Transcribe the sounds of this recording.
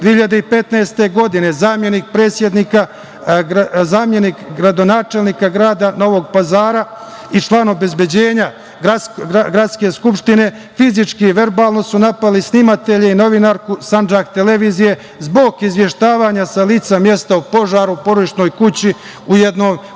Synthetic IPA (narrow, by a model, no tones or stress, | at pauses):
d̪ihiʎad̪eipe̞t̪naest̪e̞ɡo̞d̪ine̞zaːmje̞nik̚pɾe̞ːt̪sʲje̞d̪niːka | zaːmje̞nikɡɾad̪o̞naːt͡ʃelniːkaɡɾaːd̪ano̞ʋo̞ɡpazaːɾa | it͡ʃlˠaːno̞be̞zbje̞d͡ʑe̞ːɲa | ɡaɡɾat̪ske̞skupʃt̪ine̞ | fizit͡ʃkiiʋe̞ɾbaːlˠno̞sunapalisnimat̪e̞ʎeino̞ʋinaːɾkusand͡ʒakt̪e̞le̞ʋiːzije̞ | zbo̞ɡizʋje̞ʃt̪aːʋaːɲasaliːt̪samje̞st̪aupo̞ʒaːɾupoɾod̪iʃno̞ːjkut͡ɕi | ujed̪no̞ːj